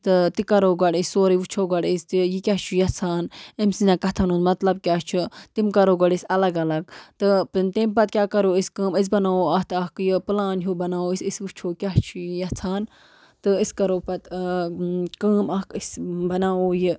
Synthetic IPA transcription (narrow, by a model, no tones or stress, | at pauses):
t̪ɨt̪ikɐɾoːɡɐɖisʲsoːɾiʋut͡ʃʰoːɡɐɽist̪ijikʲat͡ʃʰujɐt͡sʰaːnemsinakɐt̪ʰɐnoːzmɐt̪lɐb̚kʲaːt͡ʃʰut̪imkɐɾoːɡɐɽisʲɐlɐɡɐlɐɡt̪ɨpɨnt̪impɐt̪̚kʲaːkɐɾoːiskəːmis̬bɐnaːoːɐt̪ʰɐkjɨpɨlaːnɦubɐnaːoːisʲisʋut͡ʃʰoːkʲaɦt͡ʃʰujɐt͡sʰaːn | t̪ɨiskɐɾoːpɐt̪ | kəːmɐkisbɐnaːoːji